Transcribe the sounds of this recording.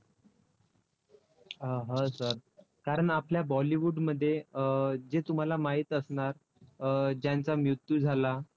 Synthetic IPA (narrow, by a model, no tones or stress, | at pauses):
əɦəsəɾ | kaɾəɳapljabɔliʋuɖməd̪ʱːje | d͡zet̪um̤alamaɦiːt̪əsɳaɾ | d͡ʑjant͡samjut̪ːuːd͡zʱala